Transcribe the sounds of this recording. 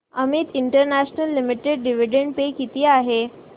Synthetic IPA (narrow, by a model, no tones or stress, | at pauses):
a̰miːt̪iɳʈəɾnæɕnəlːimiʈeɖːiʋ̤iɖeɳɖpekit̪iːaɦe